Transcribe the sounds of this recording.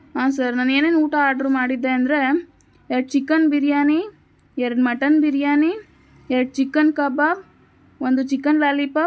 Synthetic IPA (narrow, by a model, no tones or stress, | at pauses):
ɦaːsaɾnaːneːneːnuːʈaaːɾɖɾumaːɽid̪ːeɐnd̪ɾe | ɛɾɐɖ̚t͡ʃikːɐnbiɾjaːni | ɛɾɐɖmɐʈːɐnbiɾjaːni | ɛɾɐɖ̚t͡ʃikːɐnkɐbab | ond̪ut͡ʃikːɐnlaːlipɐ